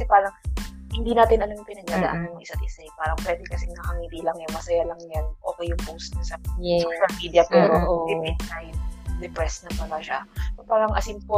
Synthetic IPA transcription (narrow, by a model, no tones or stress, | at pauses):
kɐsɛpaːɾɐŋhɪnd̪inaːt̪ɪnʔɐnojʊŋpɪnɐɡaːd̪ɐ̰ʔanːʊmɐʔɪsat̪̚ʔɪsɛpaːɾɐŋpwɛːd̪ɛkɐsɛŋɐkɐŋid̪ilɐŋjʊŋmɐsɐjalɐŋjanʔo̞ːkejːʊŋpowst̪̚nɐsɐsoʃɐlmiːd̪iɐpɛːɾoʔɪɛkajnd̪ɛpɾɛsnɐpɐlaʃasopaːɾɐŋʔɐsinpo